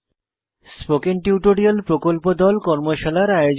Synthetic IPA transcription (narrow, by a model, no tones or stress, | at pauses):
spokenʈuʈoɾialpɾokolpod̪ɔlkɔɾmoʃalaɾajod͡ʑ